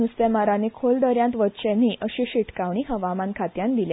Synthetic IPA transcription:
ust̪emaɾanekʰold̪əɾjãnt̪ʋət̪t͡ɕɛ̃nːiːʔəɕiɕiʈkaʋɳ̃iɦəʋamãnkʰat̪jãnd̪ilje

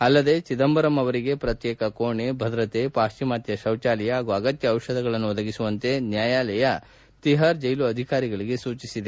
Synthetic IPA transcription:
ɐlːɐd̪e̞t͡ʃid̪ɐmbɐɾɐmɐʋɐɾiɡe̞pɾɐt̪jɛːkɐkoːɳebʱɐd̪ɾɐt̪epaːʃt͡ʃimaːt̪jɐʃɐwt͡ʃaːlɛjɐɦaːɡuɐɡɐt̪jɐːwʃɐd̪ɐɡɐɭɐnːuɔd̪ɐɡisuʋɐnt̪e̞njaːjaːlɐjɐ | t̪iɦaːɾd͡ʒɐjluɐd̪ʱikaːɾiɡɐɭiɡe̞suːt͡ʃisid̪e

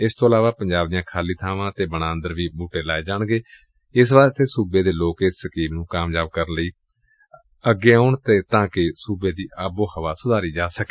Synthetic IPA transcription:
ɪst̪oːəlaːʋaːpəɲd͡ʒaːb̚d̪ɪjãːkʰaːliːt̪ʰaːʋãːt̪eːbəɽãːənd̪əɾʋiːbuːʈeːlaːeːd͡ʒaːɳɡeː | ɪs̬ʋaːst̪eːsuːbeːd̪eːloːkɪsːəkiːmnũːkaːmjaːb̚kəɾənləiː | əɡeːoːɳt̪eːt̪ãːkɪsuːbeːd̪iːʔaːboːhəʋaːsʊd̪ʱaːɾiːd͡ʒaːsəke̥ː

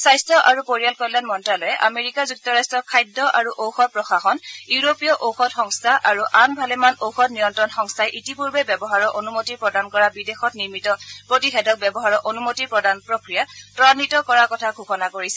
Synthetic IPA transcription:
sajstɹɔʔaɹupoɹijalkɔjlanmɔntɹalɔjɛʔa̰meɹikazuk̚tɔɹastɹɔkʰajdːɔʔaɹuʔowxɔtpɹɔxaxɔnuɹopijɔʔowxɔtxɔŋstʰaʔaɹuʔanbʱalɛmanowxɔtnijɔntɹɔnxɔŋstʰajʔitipuɹbɛbɛbɔɦaɹɔʔonumotiɹpɹɔdankɔɹabidexɔtniɹmitɔpɹotixɛdɔk̚bɛbɔɦaɹɔʔonumotiɹpɹɔdanpɹokɹijatɔanitɔkɔɹakɔtʰaɡʱuxɔnakoɹisɛ

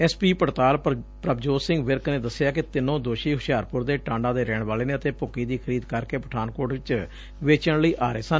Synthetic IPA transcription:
ɛːspiːpəɾt̪aːlpɾəbd͡ʒoːsɪŋɡʋɪɾkneːd̪əsːɪjaːkɪt̪ɪnõːd̪oːʃiːɦʊʃjaːɾpʊɾd̪eːʈãːɳɖãːd̪eːɾɛːɳ̃ʋaːleːneːət̪eːpʊkiːd̪iːkʰəɾiːd̪kəɾkeːpəʈʰaːnkoːɖʋɪt͡ʃ | ʋeːt͡ʃəɳləiːʔaːɾeːsən

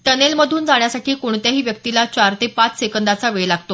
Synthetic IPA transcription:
t̪ənelməd̪ʱuːnd͡zaɳ̃jasaʈʰiːkoɳt̪jaɦiːʋjək̚t̪ilat͡ɕaɾt̪epat͡ssekənd̪at͡saʋeɭlaɡt̪o

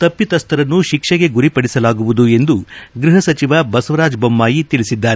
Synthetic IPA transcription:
t̪ɐpːit̪ɐst̪ɐɾɐnːuʃikʂɐɡe̞ɡuɾipɐɽisɐlaːɡuʋud̪ue̞nd̪uɡɾiɦɐsɐt͡ʃiʋɐbɐsʋɐɾaːd͡ʒbɐmːaːjit̪iɭisid̪ːaːɾe

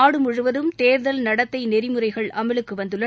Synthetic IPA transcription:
aːɽɯmʊɻɯʋɐðɯmt̪eːɾðɐlnɐɽɐtt̪ːɐɪnɛɾɪmɯrɐɪɣɐɭʔɐmɐɭɯkːɯʋɐnd̪ɯɭːɐ

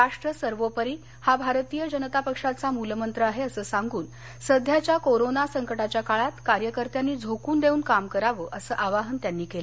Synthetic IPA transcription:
ɾaʂʈɾəsəɾʋopəɾiː | habʱaɾt̪iːjəd͡ʑənət̪apəkʂat͡samuləmənt̪ɾəaɦeəsəːsaŋɡuːn | səd̪ʱjat͡ɕjakoɾonasəŋkəʈat͡ɕjakaɭat̪kaɾjəkəɾt̪janːiːd͡zʱokuːnd̪euːnkamkəɾaʋəːʔəsəːʔaʋaɦənt̪janːiːkelə

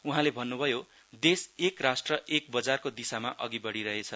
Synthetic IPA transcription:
uɦãlebʱʌnːubʱʌjo | d̪esekrasʈrʌʔek̚bʌd͡zarkod̪isamaʔʌɡibʌɽiɾʌɦet͡sʰʌ

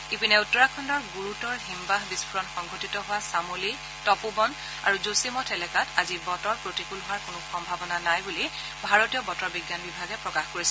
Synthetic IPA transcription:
ipinɛutːɔɹakʰɔndɔɹɡuɹutɔɹɦimbaɦbispʰuɹɔnxɔŋɡʱotitɔɦʊwasamoli | tɔpubɔn | a̰ɹuzosimɔtʰɛlɛkatazibɔtɔɹpɹotikulɦʊaɹkʊnʊxɔmbʱabɔnanajbuli | bʱaɹotijɔbɔtɔɹbiɡjanbibʱaɡɛpɹɔkaxkoɹis

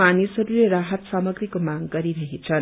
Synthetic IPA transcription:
anisɦʌɾuleɾaɦʌt̪samʌɡɾikomaŋɡʌɾiɾʌɦet͡sʰʌ

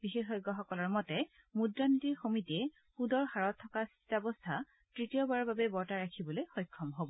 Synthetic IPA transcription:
bixexɔjɡɔxɔkɔlɔɹmɔtɛ | mudɹantiɹxomitiɛ | pudɔɹxaɹɔtʰːɔkas | tabɔstʰa | tɹitijɔbaɹɔbabɛbɔɹtaɹakʰibɔlojxɔjkʰːɔmɦobɔ

